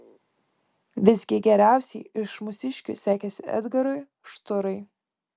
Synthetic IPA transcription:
ʋʲɪzʲɡʲɪɡʲɛɾʲæˑʊsʲɛɪɪʃmʊsʲɪʃʲkʲʊ̰sʲæːkʲɛsʲɪɛ̰d̪ɡɐɾʊɪ | ʃt̪ʊɾɐɪ

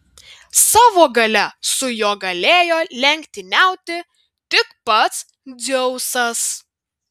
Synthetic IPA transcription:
sɑːʋoːɡɐlʲɛsʊjoɔɡɐlʲeːjoːlʲɛŋʲkʲt̪ʲɪnʲæˑʊt̪ʲɪ | t̪ʲɪkpɐt̪s | d̪zʲɛʊsɐs

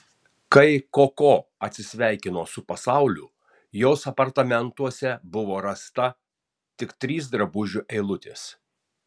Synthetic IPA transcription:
kɐɪkoːkoːɐt̪ʲsʲɪsʲʋʲæˑɪkʲɪnoːsʊpɐsɑˑʊlʲʊ̰ | joːsɐpɐɾt̪ɐmʲɛnt̪uɔsʲɛbʊʋoːɾɐst̪ɐ | t̪ʲɪkt̪ʲɾʲiːs̬d̪ɾɐbʊʒʲʊʔɛɪlˠʊt̪ʲɪ̰s

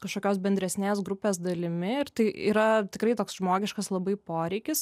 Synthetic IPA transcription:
kɐʃkoːkʲoːsbʲɛnʲd̪ʲɾʲɛsʲnʲeːs̬ɡɾʊpʲeːs̬d̪ɐlʲɪmʲɪɪɾt̪ɐɪʔḭːɾɐt̪ʲɪkɾɐɪt̪oːksʒmoːɡʲɪʃkɐslˠɐbɐɪpoːɾʲɛɪkʲɪs

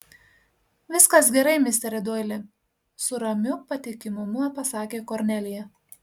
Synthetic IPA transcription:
ʋʲɪskɐs̬ɡʲɛɾɐɪmʲɪsʲt̪ʲɛɾʲɪd̪oːjlʲɪ | sʊɾɐmʲʊpɐt̪ʲɪkʲɪmʊmʊpɐsɑːkʲeːkoɾʲnʲɛlʲɪjɛ

